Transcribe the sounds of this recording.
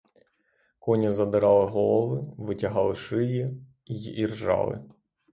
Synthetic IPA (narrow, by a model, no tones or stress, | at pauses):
kɔnʲɐzɐd̪ɪɾɑlˠɪɦɔlˠɪʋɪtʲɐɦɑlˠɪʃɪjɛ | iirʒɑ̰lˠɪ̰